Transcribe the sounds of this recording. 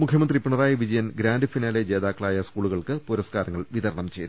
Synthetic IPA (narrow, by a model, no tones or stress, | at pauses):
mukʰjɐmɐnd̪ripiɳɐraːjɐʋid͡ʑɐjɐnɡɾaːndɨfinaːled͡ʑe̞ːðaːkːɐɭaːjɐskuːɭuɣɐɭkɨpuɾɐskaːɾɐŋːɐɭʋiðɐɾɐɳɐmt͡ɕḛjt̪ː